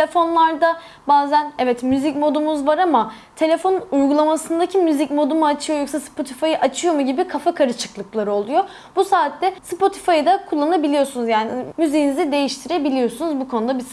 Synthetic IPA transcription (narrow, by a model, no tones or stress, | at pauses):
elʲefo̞nlˠaɾd̪a | baːzænɛvɛt̪myzicmo̞d̪umuzvaɾama | t̪ʰe̞lʲe̞fo̞nuujɡulˠamasɯnd̪acʰimyzicmo̞d̪umuat͡ʃʰɯjojo̞ksaspʰo̞t̪ʰifajɯʔat͡ʃʰɯjo̞muɟibikʰafakʰaɾɯt͡ʃʰɯ̥klˠɯklˠaɾɯo̞lˠujo̞ | busaːt̪ːɛspo̞t̪ʰi̥fajɯd̪akʰulˠːannˠabilʲijo̞sunuzjaːnimyziːnizid̪e̞jiʃt̪ʰiɾebilʲijo̞sunuzbukʰo̞nud̪abis